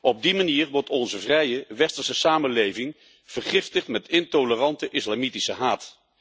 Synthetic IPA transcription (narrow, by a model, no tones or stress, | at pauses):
ɔb̚dimaniːrʋɔɹtɔnzəvrɛjəʋɛstəsəsaːmənlejvɪŋ | v̥əɹχɪftəχtmɛtɪntolərɑntəʔɪslamitisəɦaːt